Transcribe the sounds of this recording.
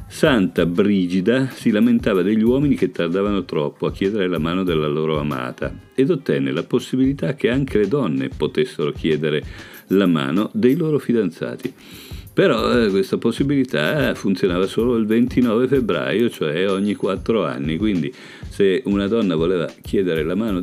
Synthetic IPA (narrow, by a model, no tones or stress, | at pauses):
sant̪abɾiːd͡ʒid̪asilament̪aːvad̪eʎːiwɔːminik̟et̪ːard̪aːvanot̪ɾɔpːoak̟ːjɛːd̪eɾelamaːnod̪elːaloːɾoama̰ːt̪a̰ed̪ot̪ːɛnːḛlaposːibilit̪ak̟ːeaŋkʰeled̪ɔnːḛpot̪esːeɾok̟jɛːd̪eɾe | lama̰ːnod̪ejloːɾofid̪ant̪sa̰ːt̪i | peɾɔkwest̪aposːibilit̪a̰funt̪sjonaːvasoːloilvent̪inɔːvefebɾa̰jot͡ʃoɛoɲːikwat̪ːɾoa̰nːikwind̪i | seunad̪ɔnːavoleːva̰k̟ʰjɛːd̪eɾelamaːno